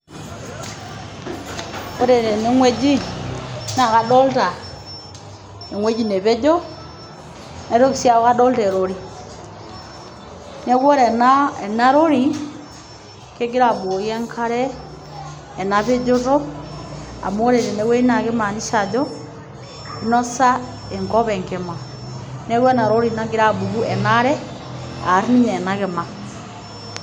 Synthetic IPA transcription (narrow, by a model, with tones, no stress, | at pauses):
o˦ɾe˨ɾɛ˨ne˨˦ŋwɛ˦d͡ʒi˦ | na˨ka˨dɔ˦lta˨ | ne˨ŋwɛ˦d͡ʒi˦ne˨βe˦d͡ʒɔ˦ | nɛ˨ɾo˦ki˨sja˦˨˦ɣa˦dɔ˦ltɛ˨ɾo˨ɾi˦ | nɛ˦ɣɔ˦ɾɛ˨na˦ɛ˨na˦ɾo˦ɾi˨ | ke˦ɡe˦ɾa˨bo˨o˨jɛ˦ŋkʰa˦ɾɛ˦˨ | naβe˦d͡ʒo˦ɾo˦ | a̰˨mo˦ɾe˨ɾe˨ne˦we˦i˦na˨ɣe˦ma˨ni˦sa˨d͡ʒɔ˦ | nɔ˦sa˦ | e˨ŋkɔ˦βɛ˨ŋɡe˨ma˨ | ne˦ɣwɔ˦na˨ɾo˦ɾi˨na˦ɡe˦ɾa˦bu˨ɣu˦ʔɛ˨na˦ɾɛ˦ | a˨ɾni˦ɲɛː˨naɣe˨ma˨